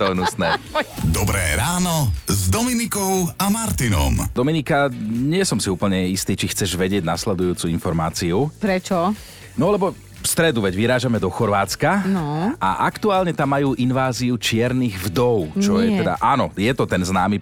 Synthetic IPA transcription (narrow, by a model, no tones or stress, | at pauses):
t̪ɔnusnɛd̪ɔbɾɛ̰ːɾaːnɔzd̪ɔminikɔʊamaɾt̪inɔ̰md̪ɔminikaɲɪɛsɔmsiuːpl̩ɲɛist̪iːt͡ʃixt͡sɛʒʋɛɟɪɛɟnaslɛd̪ujuːt͡suːinfɔɾmaːt͡siupɾɛt͡ʃɔ | nɔlɛbɔ | fst̪ɾɛd̪uʋɛɟʋiɾaːʒamɛd̪ɔxɔɾʋaːt͡skanɔʔa̰ʔakt̪uaːlɲɛt̪amːajuːʔinʋaːziut͡ʃɪɛɾniɣvd̪ɔʊt͡ʃɔjɛt̪ɛd̪a̰ʔaːnɔjɛt̪ɔt̪ɛnznaːmi